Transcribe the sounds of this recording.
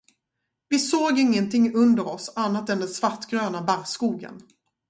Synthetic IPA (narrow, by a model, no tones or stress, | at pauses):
vɪsoːɡɪŋːənt̪ʰɪŋːɵnd̪əɾɔsanːat̪ɛnd̪ɛnsvaʈːɡɾøːnabaɾskuːɡə̰n